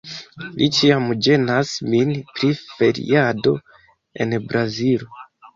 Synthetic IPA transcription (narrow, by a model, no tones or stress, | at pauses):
lit͡ʃiamd͡ʒe̞nasminpɾife̞ɾḭado̞̰ | e̞̰nbɾazilo